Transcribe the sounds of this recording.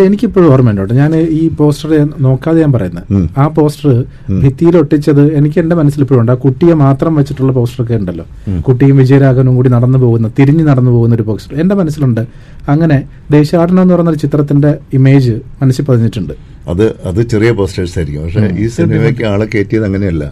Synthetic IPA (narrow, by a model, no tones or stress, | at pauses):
enikʲːipːoːɻɐrmenɖoɳɖɨɲaːniːpo̞ːsʈɐrno̞ːkːaːðejaːmpɐrɐ̰junːɐðaːpo̞ːsʈɐrɨ | bʱit̪ːijilo̞ʈːit͡ɕːɐðɨe̞nikʲːɨe̞nde̞mɐnɐsːilipːoːɻuɳɖaːkuʈːijɐmaːt̪rɐmʋet͡ɕːiʈːuɭːɐpo̞ːsʈɐrok̬ːe̞uɳɖɐlːo̞̰ːkuʈːijumʋid͡ʑɐjɐɾaːɣɐːnumkuːɽinɐɽɐnːɨpo̞ːɣunːɐt̪iɾiɲːɨnɐɽɐnːɨpo̞ːɣunɐoɾupo̞ːsʈɐrende̞mɐnɐsːiluɳɖɨ | ɐŋːɐne̞ | d̪e̞ːɕɐaːɽɐnːɐenːɨprɐjunːoɾt͡ɕit̪rɐt̪ːinde̞ime̞ːd͡ʑɨmɐnɐsɨpɐðɐɲːiʈːuɳɖɨ | ɐ̰ðɨɐðɨt͡ɕerijɐpo̞ːsʈeʈsaɾikʲːṵmpɐkʂḛʔiːsinɐekʲːɨaːɭɨkːe̞ːtːijɐðɐŋːɐne̞ɐlːɐ̰